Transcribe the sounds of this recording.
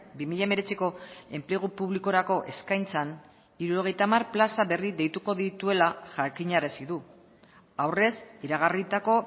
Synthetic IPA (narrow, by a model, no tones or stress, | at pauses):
bimiʎame̞ɾe̞t͡siko̞e̞mple̞ɣ̞upuβliko̞ɾako̞ʔe̞skajnt͡san | iɾuɾo̞ɣ̞e̞jt̪amarplasaβe̞riðe̞jt̪uko̞ðit̪ue̞laʝakiɲaɾesiðu | awre̞siɾaɣ̞arit̪ako̞